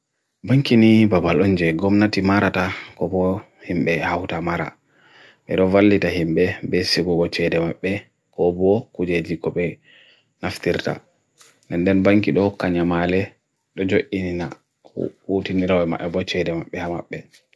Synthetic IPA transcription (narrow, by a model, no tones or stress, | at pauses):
baŋkinibabalɔnd͡ʒɛɡɔmnatimaɾatakɔbɔ | himɓɛhawtamaɾa̰ | ɓɛ̰ɗɔvalːitaɦimɓɛbɛsiɡuɡɔt͡ʃɛdɛmaɓːɛ | kɔbɔkud͡ʒed͡ʒikɔɓɛ | naftiɾta̰ | ndɛndɛnbaŋkiɗɔhɔkːaɲamalɛ | ɗɔd͡ʒoʔinina | hutiniɾawɛmaʔɛbɔt͡ʃɛdɛmaɓːɛhama̰ɓːɛ